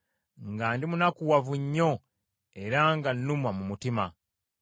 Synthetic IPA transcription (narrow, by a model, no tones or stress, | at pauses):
ŋɡaːndimunakuwavuɲːo̞ | e̞ɾaŋɡanːumwamumutima